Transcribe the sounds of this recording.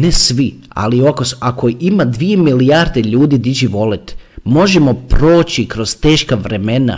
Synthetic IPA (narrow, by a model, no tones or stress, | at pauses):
nesʋi | a̰liokosako̞ʔimad̪ʋije̞milijaɾd̪eʎuːd̪id̪id͡ʒiʋo̞let̪mo̞ʒemo̞pɾo̞ːt͡ɕikɾo̞z̥t̪e̞ːʃkaʋɾe̞me̞na̰